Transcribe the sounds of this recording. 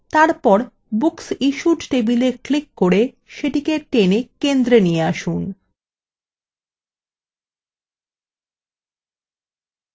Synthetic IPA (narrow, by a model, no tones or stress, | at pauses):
t̪aɾpɔɾ | buksiʃuʈʈebileklikːoɾe | ʃeʈikeʈenekend̪ɾenijeaʃun